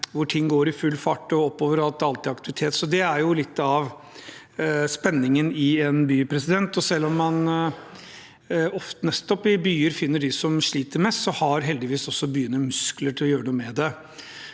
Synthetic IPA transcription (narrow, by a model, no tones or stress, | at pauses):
ʋʊʈʰɪŋːɡoːɾɪfʉlfɑʈːɔɔpːoːʋəɾɑlt̪ɑlt̪ɪɑkt̪ɪʋɪt̪ʰeːt̪sɔd̪ɛæɾjʊlɪt̪ːɑʋ | spɛnːɪŋənɪɛnbyːpʰɾɛsɪd̪ɛnt̪ɔsɛlːɔmːɑn | ɔft̪ənɛst̪ɔpɪbyːəɾfɪnːəɖɪsɔmʂɭiːt̪əɾmɛst̪sɔhɑɾɦɛld̪ɪʋiːsɔsːɔbyjʏənːəmʉskləʈʰɪlɔjøːɾəɳuːəmɛd̪ɛ